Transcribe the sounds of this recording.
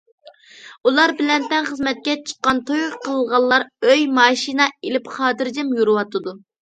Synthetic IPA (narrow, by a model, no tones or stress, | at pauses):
ulˠɑɾbɪlɛnt̪ɛnχəzmɛt̪̚kʲɛt͡ʃʰə̥qːɑnt̪ʰojqʰːəlˠəlˠʁɑlˠːɑɾøjmɑːʃinɑelɪpχɑːd̪ɨɾd͡ʒɪmjuɾɨwɑt̪ʰɨd̪u